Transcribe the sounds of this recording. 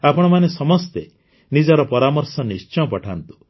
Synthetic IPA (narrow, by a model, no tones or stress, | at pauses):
apɔɽ̃ɔmanesɔmɔst̪e | nid͡ʒɔaɾɔpɔɾamɔɾsɔnist͡ʃɔj̃ɔpɔʈʰant̪u̥